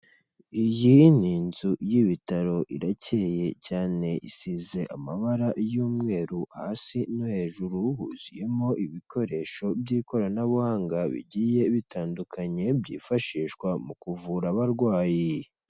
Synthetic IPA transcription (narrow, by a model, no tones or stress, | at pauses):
ijiːn̥iːnzujiβitaɾo̞ʔḭɾace̞je̞caːne̞ʔḭsize̞ʔamaβaɾaʔjuːmŋe̞ːɾuahasinohe̞ːʒuɾuhṵzḭje̞mo̞ʔiβikʰo̞ɾe̞ʃo̞bɟiːko̞ɾanaβuhaːŋɡaβḭɟiːje̞βitaːndukʰaɲe̞bɟḭːfaʃiːʃkwamukuvuɾaβaɾɡwaːji